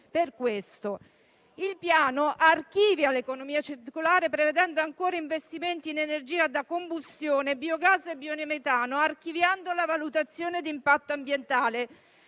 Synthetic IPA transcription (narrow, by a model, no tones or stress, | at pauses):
perkwest̪o | ilpjaːnoʔark̟iːvjalekonomiːat͡ʃirt̪ikolaːɾepɾeved̪ɛnd̪oaŋkoːɾaiɱvest̪iment̪iːnenerd͡ʒiːad̪akombust̪joːnebiːoɡasːebionemet̪aːnoarkivjand̪olavalut̪at̪sːjoːned̪impat̪ːoambjent̪aːle